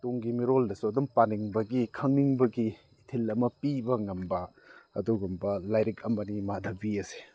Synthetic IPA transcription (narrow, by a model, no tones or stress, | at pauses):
toŋɡimiɾoldɐsuɐdumpaniŋbɐɡikʰɐŋniŋbɐɡiː | tʰelɐmɐpibɐŋɐmbɐ | ɐ̰duɡumbɐlajɾik̚ɐmɐnimadɐbiɐse̥